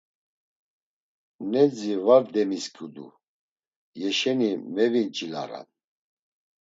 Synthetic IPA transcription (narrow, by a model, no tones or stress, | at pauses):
nɛd͡zivaɾd̪ɛmiskʰʼud̪ṵ | jɛʃɛnimɛvint͡ʃʼila̰ɾa̰n